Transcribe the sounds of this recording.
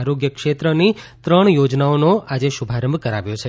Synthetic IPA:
aɾoɡjəkʃet̪ɾənit̪ɾəɳ̃jod͡ʒnaonoad͡ʒeʃubʱaɾəmbʱkəɾaʋjot͡ʃʰe

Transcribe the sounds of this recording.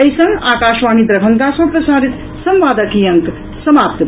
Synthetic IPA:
əjsɐ̃ŋɡaːkaʃʋaːnid̪ɾɐbʱəŋkasɐ̃pɾɐsaɾit̪ | sɐmʋaːd̪əkijɐŋk | sɐmaːp̚t̪

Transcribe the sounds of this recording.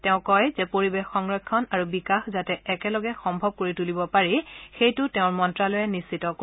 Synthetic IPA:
tɛʊ̃kɔjzɛpoɹibexːɔŋɹɔkʰːɔnaɹubikaxzatɛːkɛlɔɡɛxɔmbʱɔb̚koɹitulibɔpaɹixejtʊtɛʊ̃ɹmɔntɹalɔjɛnisitɔk

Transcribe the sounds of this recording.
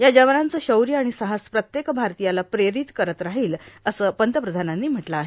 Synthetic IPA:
jad͡ʑəʋənant͡səɕəwɾjəaɽ̃isəɦaspɾət̪jekbʱaɾt̪ijalapɾeɾit̪kəɾət̪ɾaɦiːləsəːpənt̪əpɾəd̪ʱananːiːm̤əʈlaaɦe

